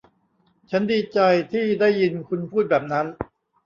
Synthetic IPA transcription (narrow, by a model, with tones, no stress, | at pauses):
t͡ɕʰa˦˥ndiː˧t͡ɕa˧jt̪ʰiː˥˩daː˥˩jːi˧nkʰu˧npʰuː˥˩t̪̚bɛː˨˩p̚na˦˥n